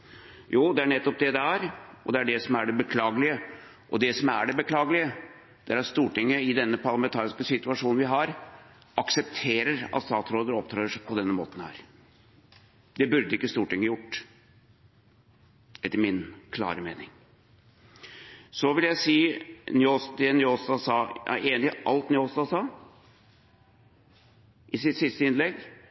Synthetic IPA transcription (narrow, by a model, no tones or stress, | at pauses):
juːd̪ɛæɳɛt̪ːɔp̚d̪ɛd̪ɛæɾɔd̪ɛæɖɛsɔmæɖɛbəkʰlɑːɡəlɪə | ʔɔd̪ɛsɔmæɖɛbəkʰlɑːɡəlɪə | d̪̥ɛæɾɑt̪st̪uːʈɪŋːəɪd̪ɛnːəpʰɑɾlɑmɛnt̪ʰɑːɾɪskəsɪt̪ʉɑʂuːnnʋɪɦɑɾ | ɑksɛpt̪ʰeːɾəɾɑ̰t̪st̪ɑːt̪sɾoːd̪əɾɔpt̪ʰɾɑːəʂpʰɔd̪ɛnːəmo̰ːt̪n̩æ̰ɾ | d̪ɛbʉɾd̪əɪkːəst̪uːʈʰɛŋːəjʊʈː | ɛt̪ːəɾmɪnkʰlɑ̰ːɾəmḛːnɪŋ | sɔʋɪljæɪsiːnʏoːsd̪ɛnʏoːsd̪ɑsɑːɑ̰eːnɪʔɑ̰lt̪nɪoːsd̪ɑsɑː | ʔɪsɪt̪sɪst̪əɪnlɛɡ